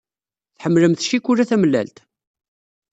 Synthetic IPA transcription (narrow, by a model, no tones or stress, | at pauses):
θħəmːləmθʃikːuɾæθæmlːæ̰lt̪